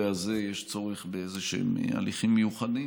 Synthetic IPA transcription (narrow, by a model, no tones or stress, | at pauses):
eazejeʃt͡so̞ʁeχbeezeʃḛma̰liχimːejuχadi